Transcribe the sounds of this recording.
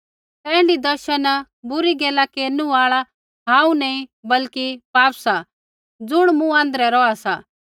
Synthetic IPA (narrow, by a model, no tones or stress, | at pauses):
t̪ɛ̃ːɪ̃ɳɖid̪ɐɾʃən | bʊɾiɡɛːlakeːnuaːɭa | ɦãːũnɐĩbɐlkipaːpsa | d͡zʊɽ̃mũãːnd̪ɾɛɾɔasa